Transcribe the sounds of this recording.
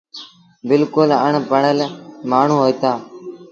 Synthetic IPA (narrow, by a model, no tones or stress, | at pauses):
bɪlkʊləɳpəɳəlmaːɳ̤ũːɦoːit̪aː